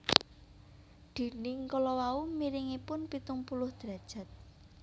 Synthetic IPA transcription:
d̪̥i̤nɪŋkɔlɔwaumiɾɪŋipʊnpit̪ʊŋpulʊhd̪̥ɾa̤d̥ʒ̥a̤t̪̚

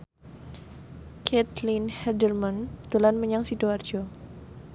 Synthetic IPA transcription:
kʰɛt̪linhɛdərmant̪əlanməɲaŋsidoard͡ʒɔ

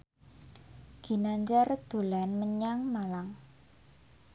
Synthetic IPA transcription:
ɡ̥i̤naɲt͡ʃard̪̥o̤lanməɲaŋmalaŋ

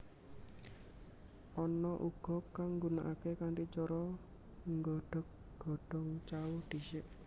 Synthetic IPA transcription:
ʔɔnɔʔuɡ̥ɔ̤kaŋŋɡunaʔakekaŋtit͡ʃɔɾɔ | ŋɡɔɖ̥ɔk̚ | ɡ̥ɔɖ̥ɔ̤ŋt͡ʃawud̥i̤ʃɪʔ

